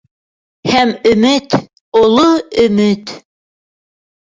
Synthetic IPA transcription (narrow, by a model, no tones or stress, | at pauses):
hæmɵ̆mɘt̪ | olˠoɵ̆mɘt̪